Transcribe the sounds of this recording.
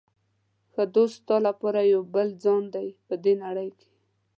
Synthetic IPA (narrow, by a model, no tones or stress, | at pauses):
xəd̪ost̪ɑlapɑɾajawbəld͡zɑnd̪ajpəd̪enaɽəjke̥